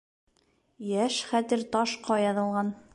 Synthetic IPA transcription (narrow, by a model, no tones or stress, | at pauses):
jæʃχæt̪ɘ̆ɾt̪ɑʃqʰɑjɑðɤ̆lˠʁɑn